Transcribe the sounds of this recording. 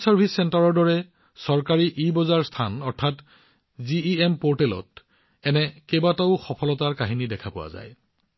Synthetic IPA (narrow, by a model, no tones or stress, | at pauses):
sɔɹbʱisɛntaɹɔɹdɔɹɛ | sɔɹkaɹiʔibɔzaɹstʰanɔɹtʰat | ziiempoɹtɛlɔ̰t̚ | ɛnɛkebataʊxɔpʰɔlɔtaɹkaɦinidɛkʰapʊwa̰za̰j